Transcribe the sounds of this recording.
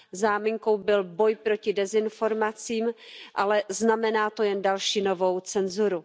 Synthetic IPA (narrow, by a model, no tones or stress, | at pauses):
zaːmɪŋko̞wbɪlbo̞jpɾo̞cɪdɛzɪnfo̞ɾmat͡siːmʔalɛznamɛnaːt̪o̞jɛndalʃiːno̞vo̞wt͡sɛnzuɾu